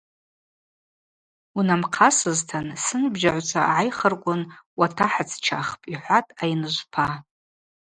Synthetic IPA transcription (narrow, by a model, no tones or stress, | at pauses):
unamqʰasɨztʰansɨnbʒaʕʷt͡sʷʰaʕajχərkʷʼʊnwatʰaħat͡sʰt͡ʃʰaχpʼiħʷatʼajnɨʒʷpʰa